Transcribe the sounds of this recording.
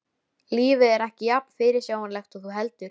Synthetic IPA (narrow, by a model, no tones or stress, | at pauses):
liːvɪðɛɾɛhcɪjapn̥fɪɾɪɾ̥sjaːwanlɛxt̪uθuɦɛl̪t̪ʏɾ̥